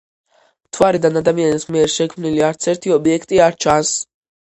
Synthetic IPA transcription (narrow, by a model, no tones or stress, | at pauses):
mt̪ʰvwaɾid̪anad̪amianismiɛɾʃɛkʰmniliaɾt̪sʰɛɾt̪ʰiɔbiɛkʰt̪ʼiaɾt͡ʃʰans